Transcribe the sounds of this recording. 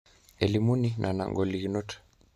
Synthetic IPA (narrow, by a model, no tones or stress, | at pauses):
ɛlimuninʔana̰ŋɡɔliɣinɔtḁ